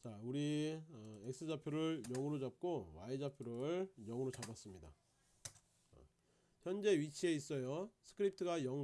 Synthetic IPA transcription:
t͡ɕauɾiʌek̚s͈ʰɯd͡ʑapʰjoɾɯɭjʌŋɯɾod͡ʑap̚k͈owaed͡ʑapʰjoɾɯɯɭjʌŋɯɾot͡ɕabas͈ɯmɲida̰ | çjʌnd͡ʑe̞ɥit͡ɕʰie̞is͈ʌjosʰɯ̥kʰɯɾip̚tʰɯɡajʌŋ

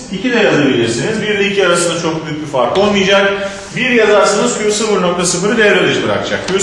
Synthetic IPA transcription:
icʰid̪ɛjazˠajbilʲiɾsinizbiɾlʲicʰiaɾasɯnd̪at͡ʃʰo̞k̚byjyc̚ʲbifaɾkˠo̞lˠmɯjd͡ʒak̚ | biɾjazaɾsanɯz̥cʰyusɯfɯɾno̞k̚t̪ʰasɯfɯɾɯd̪ejæɾalˠɯʃbɯɾa̰kd͡ʒʰa̰k̚ʰy

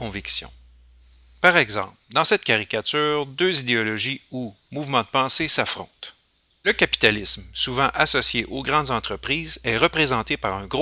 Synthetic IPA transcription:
ɔ̃viksjɔ̰̃ | paʁɛɡzɑ̰̃ːpld̪ɑ̃sɛt̪̚kʲaʁikʲat̪yːʁd̪øːzid̪eɔlɔʒiu | muvmɑ̃d̪əpɑ̃sesafʁɔ̰̃t̪ | ləkʲapi̥t̪alɪsmsuvɑ̃ʔasɔsjeʔoɡʁɑ̃d̪zɑ̃t̪χəpʁiːzɛʁəpʁezɑ̃t̪epaʁœ̃ɡʁ

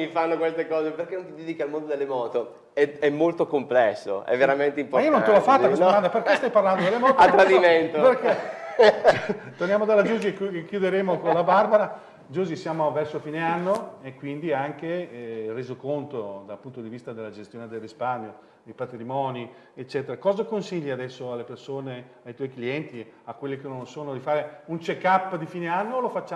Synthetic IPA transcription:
mifanːokwest̪ekɔːzeperkenõnt̪id̪ɛd̪ikalmond̪od̪elːemɔːt̪o | ɛɛmːolt̪okomplɛsːo̰ʔɛ̰vːeɾament̪eimpoɾionont̪elɔfːat̪ːakeomand̪aperkest̪ajparland̪od̪elːemɔːt̪at̪ːɾad̪iment̪operke | t̪ornjaːmod̪alːad͡ʒuːzikukekːjud̪eɾeːmokonlabarbaɾa | d͡ʒuːzisjaːmovɛrsofiːneanːoekːwind̪iaŋkereːzokont̪od̪alpunt̪od̪ivist̪ad̪elːad͡ʒest̪joːned̪elrisparɲjo | d̪ejpat̪ɾimɔːni | et͡ʃːɛt̪eɾakɔːzakonsiʎːiad̪ɛsːoalːepersoːne | ajt̪wɔjkliɛnt̪iakːwelːekenõnsoːnod̪ifaːɾeunt͡ʃekapːd̪ifiːneanːolofat͡ʃːa

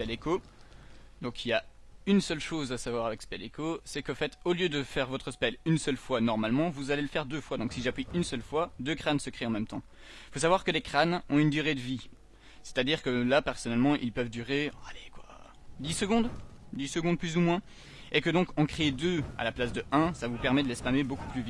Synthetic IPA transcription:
spɛleko | d̪ɔ̃kʰilja | ynsœlʃozasavwaʁavɛkspɛlekosɛkɑfɛt̪oljød̪əfɛʁvɔt̪χəspɛlynsœlfwanɔʁmalmɑ̃vuzaleləfɛʁd̪øfwad̪ɔ̃ksiʒeapiynsœlfwad̪økχansəkχeɑ̃mɛmt̪ɑ̃ | ifos̬avwaʁkəlekχanɔ̃ynd̪yʁed̪əvi | se̥t̪ad̪iʁkəlapɛʁsɔnɛlmɑ̃ʔḭlpœvd̪yʁealekwa̰ | d̪isəɡɔ̃d̪ | d̪isəɡɔ̃d̪̚plyzumwɛ̃ | ekəd̪ɔ̃kɑ̃kχeːd̪øa̰laplasd̪əʔɛ̃savupɛʁmɛd̪əlɛspameboku̥plyvit̪

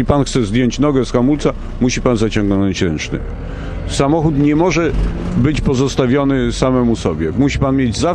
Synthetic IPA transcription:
ipanxt̪sɛzd̪jɔɲt͡ɕnɔɡɛsxamult̪sa | muɕipanzat͡ɕɔ̃ŋɡnɔɲt͡ɕɾɛnt͡ʂnɘ̰ | samɔxut̪ɲɛmɔʐɛbɘt͡ɕpɔzɔst̪avʲjɔnɘsamɛmusɔbʲjɛmuɕipanmʲjed͡ʑza

